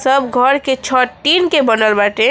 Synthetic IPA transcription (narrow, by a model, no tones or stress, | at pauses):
səbɡʱəɾket͡ʃʰɔʈ̪inkebənəlbaʈẽ